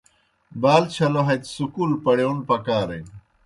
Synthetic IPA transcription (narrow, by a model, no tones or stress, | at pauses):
baːlt͡ɕʰɐloɦɐt̪sukuːlpɐɽeunpɐkaːɾḛ